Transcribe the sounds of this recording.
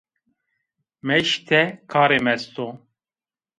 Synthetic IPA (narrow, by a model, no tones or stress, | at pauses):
mɛʃt̪ʰɛkʰaːɾemɛst̪o